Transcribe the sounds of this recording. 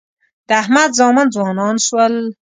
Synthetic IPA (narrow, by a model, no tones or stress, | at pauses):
d̪̥əahmad̪zɑːmand͡zwɑːnɑːnʃwəl